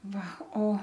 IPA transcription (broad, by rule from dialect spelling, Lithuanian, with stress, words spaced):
ˈʋɐ oː